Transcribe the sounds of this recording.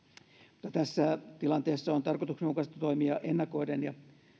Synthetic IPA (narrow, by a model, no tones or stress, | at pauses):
mu̥t̪ːɑt̪æsːæt̪ilɑnt̪eːsːɑont̪ɑrkot̪uksneukɑst̪ɑt̪oimiɑʔenːɑkoidenjɑ